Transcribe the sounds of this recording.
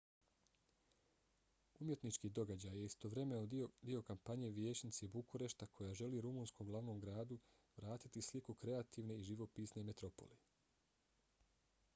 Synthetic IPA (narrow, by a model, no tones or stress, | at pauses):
umje̞t̪nit͡ʃkiːd̪o̞ɡad͡ʑaje̞ist̪o̞ʋɾe̞menod̪io̞kampaɲe̞ʋjeːt͡ɕnit̪sebukuɾe̞ʃt̪akʰo̞jaʒe̞liːɾumuːnsko̞mɡlˠaʋnomɡɾaːd̪u | ʋɾaːt̪it̪islikukɾe̞at̪iːʋne̞iʒiʋo̞piːsne̞met̪ɾo̞po̞̰li